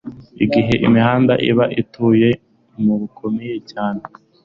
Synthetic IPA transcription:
iɡiɦeʔḭmihaːndaʔiβaʔituːje̞ | muβukʰomijecaːne

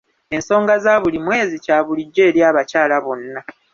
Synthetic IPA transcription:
e̞nso̞ːŋɡazaːβulimwe̞ːzicaːβuliɟːe̞ːɾjaːβacaːlaβo̞nːa

